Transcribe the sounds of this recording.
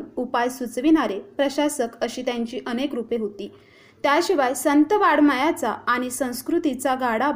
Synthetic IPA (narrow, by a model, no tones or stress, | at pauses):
nupajsut͡sʋinaɾepɾəɕasəkəɕiːt̪jãɲt͡ɕiːʔənekɾupeɦot̪iː | t̪jaɕiʋajsənt̪əʋaɽmajat͡saːɽ̃isə̃w̃skɾut̪it͡saɡʱaɽa